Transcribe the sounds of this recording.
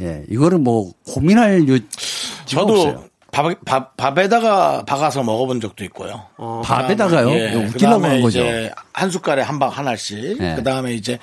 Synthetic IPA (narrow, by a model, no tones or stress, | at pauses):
je̞̰iɡʌɾɯɭmwʌkominɦaɭjot͡ɕ͈it͡ɕʌdo | papapabe̞daɡapaɡasʰʌmʌɡʌbond͡ʑʌk̚t͈oik̚k͈o̰jopaedaɡajoeeuɯt͈ilːaɡaiɡʌd͡ʑehans̬ʰuk͈aɾehambaŋhanɦaɭɕ͈ikɯdaɯme̞id͡ʑe̞